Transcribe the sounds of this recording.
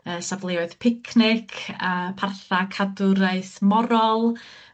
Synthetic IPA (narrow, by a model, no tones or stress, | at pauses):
əːsavlˠeɔɨðpʰɪkʰnɪkʰəpʰarθakʰadʊɾaɨθmɔɾɔlˠ